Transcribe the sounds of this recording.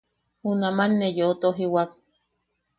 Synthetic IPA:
hunamanːejoot̪oɦiwak̚

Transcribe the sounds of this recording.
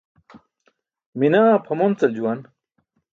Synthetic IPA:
minaːpʰɐmont͡sɐld͡ʑuwɐn

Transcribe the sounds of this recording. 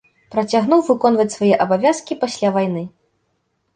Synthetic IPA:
pɾɐt͡sʲaɣnuwvɨkɔn̪vɐt͡sʲsvajɛʔɐbavʲaskʲipasʲlʲavajn̪ɨ

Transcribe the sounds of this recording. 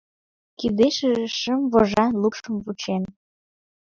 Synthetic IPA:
kid̪eʃəʒeʃəmβoʒɑlupʃəmβut͡ɕen

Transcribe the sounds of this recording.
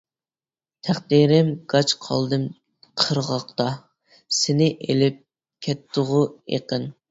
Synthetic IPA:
t̪ʰæχd̪iɾɪmɡ̥ɑt͡ʃqʰɑ̰lˠd̪ɨm | qʰəɾʁɑqt̪ɑ | sɪnɪʔelɪp̚ | kʲʰɛt̪ʰːʊʁʊḛqən

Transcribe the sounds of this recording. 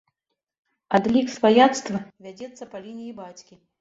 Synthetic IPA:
ad̪lʲiksvajat̪st̪vɐvʲad͡zʲɛt̪sːɐpɐlʲinʲijibat͡sʲkʲi

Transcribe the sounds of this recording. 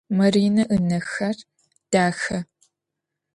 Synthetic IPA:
mɐriːnɐʔɨnɐxɐr | d̥aːxɐ

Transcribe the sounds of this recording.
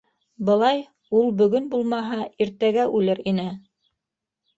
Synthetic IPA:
bɤ̆lˠɑj | ulˠbɵ̆ɡɵnbulˠmɑɦɑʔiɾt̪æɡæʔʉlɘɾinɘ

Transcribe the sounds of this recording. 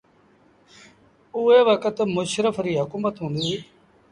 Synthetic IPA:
uːeːʋəkət̪mʊʃɾəfʰɾiːɦʊkuːmət̪ɦũːnd̪iː

